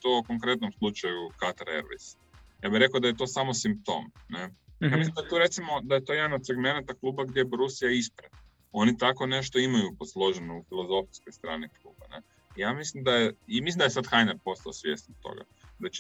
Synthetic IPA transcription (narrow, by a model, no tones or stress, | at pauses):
t̪okoŋkɾe̞t̪nomslˠut͡ʃajukat̪aɾḛɾʋḛjs | jaːbiɾe̞kaod̪aje̞t̪o̞ːsamosimp̚t̪o̞̰ːmnejaːmislimd̪ajet̪oɾe̞t̪simo̞d̪ajet̪ojed̪anod̪se̞ɡme̞nat̪aklˠuːbaɡd̪ʲjebɾusijaispɾata | o̞nit̪ako̞ne̞ʃ̬t̪o̞imajuposlˠo̞ʒenoufilˠozo̞fiskojst̪ɾa̰ːniklˠṵːbanḛ | jaːmislimd̪ajeimislimd̪ajesad̪xajneɾpo̞st̪aosʋjḛst̪nt̪o̰ɡa̰ | d̪at͡ʃ